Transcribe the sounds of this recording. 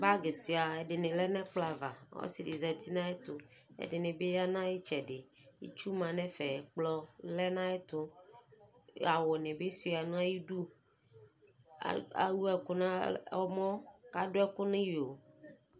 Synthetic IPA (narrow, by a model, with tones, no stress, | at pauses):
ba˦ɡe˨si˨a˨ɛ˨ɖe˨nẽ˨lɛ˦nɛ̃˦k͡pla˨va˨˦wo̰˦si˨de˨zɛ˨t̪i˦nã˦e˦t̪ʊ˨ḛ˨de˨nẽ˨be˦ja˦nã˦je˦t͡ʃɛ˨de˨jḭ˦t͡ʃu˦mã˨nɛ̃˦fɛ˨k͡plɔ˦lɛ˦nã˦ɛ˦t̪ʊ˦ | a˨wɔ˨nɛ̃˨be˦su˨˦˨a˨nũ˦a˦ji˦ɖu˦ | a̰˨wu˦ɛ˨kʊ˦nã˦ɔ˦mɔ̃˦ka˦do˦ɛ˦kʊ˦nẽ˦jo˨